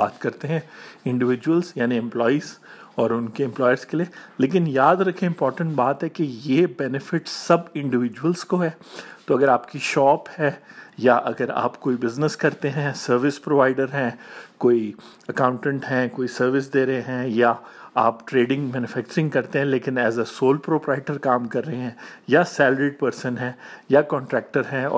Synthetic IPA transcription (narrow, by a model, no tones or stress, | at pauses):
baːt̪kɐɾt̪eɦɛ̃ɪ̃ɳɖɪʋɪd͡ʒuwəlzjaːniɛ̃mplɔːiːz | ɔːɾʊnkeɛ̃mplɔːjəɾzkelieleːk̬ɪnjaːd̪ɾɐkʰẽɪ̃mpɔːɾʈə̃ɳʈbaːt̪ɦɛkejebɛːnɪfɪʈsɐbɪ̃ɳɖɪʋɪd͡ʒuwəlz̥koɦɛːt̪oɐɡəɾaːpkiʃɔːphɛːjaʔɐɡəɾa̰ːpkoːibɪznəskɐɾt̪eɦɛ̃sɐɾʋɪspɾoːʋaːɪɖəɾɦɛ̃ːkoːi | ɐkãːʊ̃ɳʈə̃ɳʈɦɛ̃koːisɐɾʋɪs̬d̪eːɾəɦeɦɛ̃jaaːpʈɾeːɖɪ̃ŋɡmɛːnʊfɛːk̚t͡ʃəɾɪ̃ŋɡkɐɾt̪eɦɛ̃leːkɪnɛːzəsoːlpɾoːpɾaɪʈəɾkaːmkɐɾːɐɦẽɦɛ̃jasɛːlɾeːʈ̚pəɾsə̃nɦɛ̃ːjakɔ̃ːɳʈɾɛːk̚ʈəɾɦɛ̃ːɔ̰ː